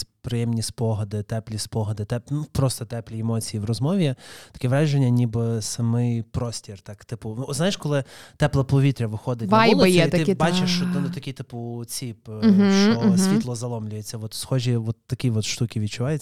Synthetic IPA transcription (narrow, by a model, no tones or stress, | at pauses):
pɾɪjɛmnʲisʲpɔɦɐd̪ɪt̪ɛplʲispɔɦɐd̪ɪt̪ɛpnupɾɔst̪ɔt̪ɛplʲiɛmɔt͡sʲijiwrɔzmɔʋʲit̪ɐ̥kʲɛʋɾɑʒenʲːɐnʲibɪsɐmɪjpɾɔsʲtʲirt̪ɑkt̪ɪpʊɔznajeʃkɔlˠɪt̪ɛplˠɐpɔʋʲit̪ɾʲɐʋɪxɔd̪ɪt̪ʲbajlˠɐj̪ʲɛit̪ɪbɑt͡ʃɪʃt͡ʃɔt̪ɐnʊt̪ɐkʲijt̪ɪpʊt͡sʲipɦ̩ʃɔsʲʋʲit̪lˠɔzɐlˠɔmlʲʊjet͡sʲːɐʋɔt̪sxɔʒʲiʋɔt̪ːɐkʲiʋɔt̪ʃt̪ukʲiʋʲid̪̚t͡ʃʊʋɑjʊt͡sʲː